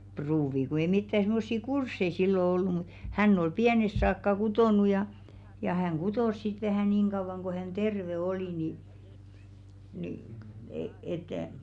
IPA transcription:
pruːʋi ku ei mitːæ simːosːi kursːei silːo olːu mut hænː ol piænest̆ sɑːkːɑ kutoˑnu jɑ jɑ hæŋ ɡ̊utoˑs sit ʋæhæˑ niːŋ ɡ̊ɑuʋɑŋ ko hæn terʋe oli ni niˑ e et

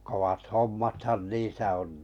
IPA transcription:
kowɑt homːɑthɑn niːsæ on

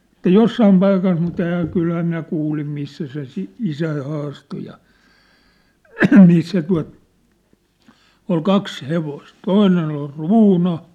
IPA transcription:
ĕtˑæ josːɑim pɑikɑs mutˑ ehæ kylhæ minæ kuːlim misːæ se si isæi hɑːsto jɑ misːæ tuɑ̝t ol kɑks heʋost toinen ol ruːnɑ

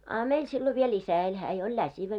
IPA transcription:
ɑ meil silːo ʋiel isæ elʲ hæː jo olʲ læsiʋæ

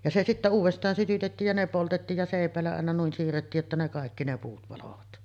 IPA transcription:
jɑ se sitːæ uːʋestˑɑːn sytytetːiːj jɑ ne poltetːiːj jɑ seˑipˑæˑelːæ ɑˑenɑ nuin siːrːetːiːj jotːɑ ne kɑˑekːi ne puːt pɑloʋɑt

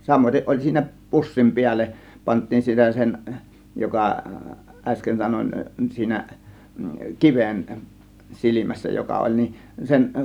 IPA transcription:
sɑmoiteʔ ʔolʲ siːnæ pusːim piælːeʔ pɑntˑiːn sitæ sen jokɑ ʔæsken sɑnon siːnæ kiʋen silimæsːæ jokɑ olʲ nin sen

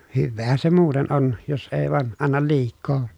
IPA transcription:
hyʋːeːhæn se muːten on jos eˑi̯ ʋɑˑen ɑnːɑl liːkˑoː

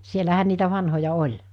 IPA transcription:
sielæhæn niːtæ ʋɑnhojɑ olʲ

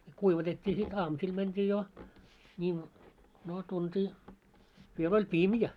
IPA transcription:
kuiʋɑtetʲːiː sit ɑːmusil mæntʲiː jo nʲiːʋ noː tuntiː ʋiel olʲ pimjæ

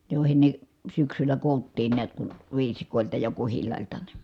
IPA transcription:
joˑi̯hen ne syksylːæ koˑu̞tːiːn niæt kun̞ ʋiːsikoˑeltɑ jɑ kuhilːɑˑi̯ltɑ ni

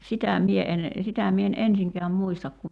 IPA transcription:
sitæ mie en sitæ mie en ensiŋkeæm muistɑk ku

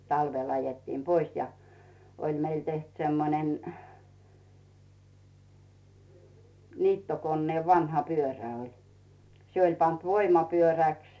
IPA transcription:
tɑlʋel ɑjetːiːm pois jɑ olʲ meil teht semːonen niːtːokonːeːʋ ʋɑnhɑ pyøræ olʲ se olʲ pɑnt ʋoimɑpyøræˑks

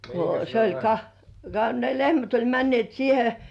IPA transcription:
ko se olʲ kɑ kɑ ne lehmæt olʲ mænːĭeˑt siːhe

